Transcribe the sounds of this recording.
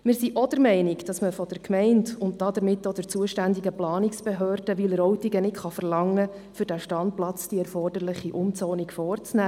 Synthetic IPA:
mɪːɾsiʔɔd̥əɾmɛɪnɪkd̥ɑsməfɔd̥əɾkʰmɛɪndʊntd̥ɑd̥̪əɾmɪtːod̥̪əɾt͡suəʃtændiɡəplɑːniksb̥eɦøːrd̥əʋɪlɾɔwtiɡənɪtχɑfərlɑŋːə | fʏɾdæʃtɑnt̚plɑt͡sd̥iɛɾfɔrd̥əɾlɪχiʔʊmt͡sɔːnikfɔːrt͡snæː

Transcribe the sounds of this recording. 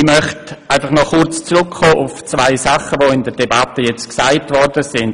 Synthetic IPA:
imœχtaɪfaχnɔχʊɾt͡st͡srʊkχoːʔʊft͡svaɪsaχəvoɪndəɾdebatəjɛt͡stksaɪtvɔɾdəsɪnd

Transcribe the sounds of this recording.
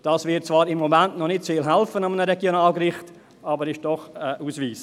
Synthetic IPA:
d̥ɑːsvɪt̚t͡sv̥ɑːɾɪmːomæntnɔnɪtt͡sfɪlɦælfənɑmənəɾɛɡjonaːlɡrɪχt | ɑːbəɾɪʃd̥ɔχəʔuːsviːs

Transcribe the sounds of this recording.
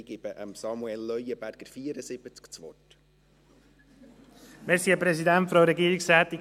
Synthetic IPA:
ɡɪb̥əʔəmsɑmuɛlːœjəbæɾɡ̥əɾfiːəɾəsɪb̥ət͡skt͡sʋɔt | mɛːɾsiəpɾɛsid̪ɛnt̪fɾoɾɛɡiːɾɪksɛːt̪i

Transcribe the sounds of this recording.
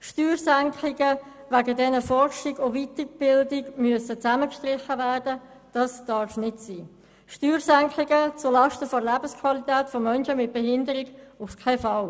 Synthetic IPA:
ʃtyːrsæŋkʰɪɡə | væɡədɛnəfɔrʃɪɡoviːtəb̥ɪldɪɡmyəsət͡sæməkʃtʁɪχːəvæːrd̥ə | d̥ɑsd̥ɑɾfnɪtsiː | ʃtyːɾsæŋklɪɡət͡sʊlɑʃtəfɔɾlæbəskʰvɑlitɛːtfɔmœnʃəmɪt̚b̥ɛɦɪndəɾɪɡʊfkʰɛfɑl

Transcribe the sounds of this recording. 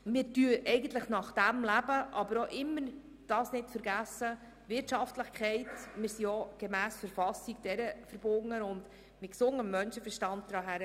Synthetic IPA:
mɪɾtyəʔɛɪɡən̩t̪ləχnɑχd̥æmlæb̥əʔɑbəɾoʔɪmːəɾ | d̥ɑːsnɪtfəɾɡæsə | ʋɪɾtʃɑftləχkʰχɛɪtmɪɾsiɔɡ̥emæːsfəɾfɑsiɡ̚d̥ɛɾəfəɾb̥ʊŋəʊnd | mɪt̚ksʊŋəmːœnʃəfəɾʃtɑnt̚d̥̪ɾɑːɦæɾ

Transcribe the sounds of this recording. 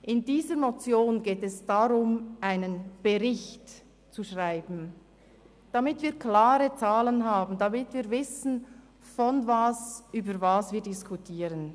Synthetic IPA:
ʔɪndiːzəɾnot͡sjoːnɡeːtɛsd̥aʁʊmʔaɪnənb̥ɛʁɪçt | t͡suʃʁaɪbn̩ | d̥amɪtviːkʰlaːɾət͡saːlənɦaːbn̩damɪtviːɾvɪsn̩ | fɔnvasʔyːbəɾvaːsviːɐdɪskʰutʰiːɾən

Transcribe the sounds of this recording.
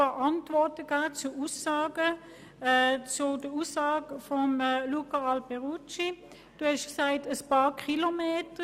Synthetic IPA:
ɑʔɑntʋɔʁtəɡ̥aːt͡suusɑːɡə | t͡sʊd̥əusɑːɡəfɔmlukɑɑlpɛʁut͡ʃi | d̥uhɛʃksaɪtəspɑːkʰilomeːtə

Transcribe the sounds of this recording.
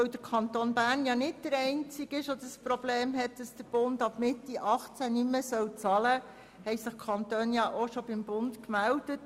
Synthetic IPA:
œwd̥̪əɾkʰɑnt̪oːnbæːɾnjɑnɪt̚d̥əɾɛɪnt͡sɪɡɪʃodəspɾobleːmɦɛtd̥ɑsd̥əɾb̥ʊndɑb̥mɪtːiʔɑχt͡sænyməsœwt͡sɑlə | hɛjsɪχkʰɑnt̪øːnjɑʔoʃob̥ɪmbʊntkmældət

